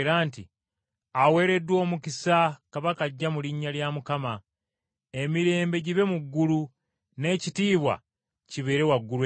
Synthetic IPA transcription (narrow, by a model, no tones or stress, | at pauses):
ɾaːntḭ | awe̞ːɾe̞dːwo̞ːmukisakaβakaɟːamuliɲːaljamukama | emiɾe̞ːmbe̞ɟiβe̞muɡːulu | ne̞ːcitiːβwa̰ | ciβe̞ɾe̞waɡːulw